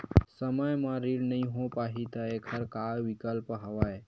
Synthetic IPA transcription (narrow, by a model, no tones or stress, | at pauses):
səməjmãɾiɽnəĩɦõpaɦit̪əekʰəɾkaʋikəlpɦəʋaj